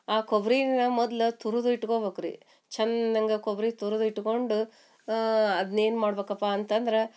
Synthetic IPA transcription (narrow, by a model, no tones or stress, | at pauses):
aːkobɾinɐmɔd̪lɐt̪uɾud̪iʈːkobeːkɾḭ | t͡ʃɐnːɐŋɡɐkobɾit̪uɾud̪iʈːko̞ɳɖu | ɐd̪ɐnːeːnmaːɽbeːkɐpːaɐnt̪ɐnd̪ɐɾe